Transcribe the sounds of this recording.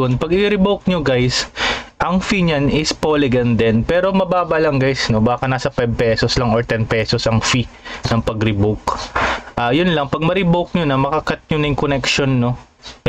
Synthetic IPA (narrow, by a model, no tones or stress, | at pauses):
onpɐɡɪɾɪbowk̚ɲoɡajsʔɐŋfiɲanɪspolɪɡɐnd̪ɛnpɛːɾo̞mɐbaːbɐlɐŋɡajsno̞baːkɐnaːsɐpajb̚pɛsoslɐŋoɹt̪ɛnpɛːsosʔɐŋfinɐŋpɐɡɾɪbowkʔaːjʊnlɐŋpɐɡ̚mɐɾɪbowk̚ɲonɐmɐkɐkɐt̪̚ɲonɐjʊŋkonɛkʃonːo̞